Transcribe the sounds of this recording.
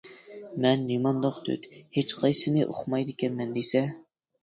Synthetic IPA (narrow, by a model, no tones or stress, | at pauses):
mɛnːimɑnd̪ɑqt̪ʰy̰t̪het͡ʃqʰɑjsɨnɨʔo̰χʰmɑjd̪ɪkʲʰɛnmɛnd̪esɛ